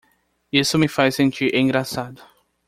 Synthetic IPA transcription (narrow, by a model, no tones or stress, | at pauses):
isʊmɪfajsẽnt͡ʃiɾʔẽɡɾasad̪ʊ